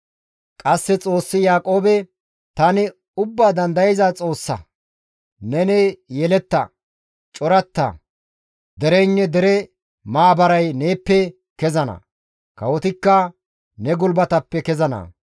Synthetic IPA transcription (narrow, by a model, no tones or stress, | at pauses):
kʼɐsːɛt͡sʼo̞ːsːɪjaːkʼo̞ːbɛ | t̪ɐnɪ | ʊbːaːd̪ɐnd̪ɐjɪzɐt͡sʼo̞ːsːɐ̰ | nɛnɛjɛlɛt̪ːɐ̰ | t͡ʃʼɔɾɐt̪ːɐ̰ | d̪ɛɾɛɪnːɛd̪ɛɾɛ | maːbɐɾɐjne̞ːpːɛ | kɛzɐnɐ̰ | kɐwɔt̪ɪkːɐ | nɛɡʊlbɐt̪ɐpːɛkɛzɐnɐ̰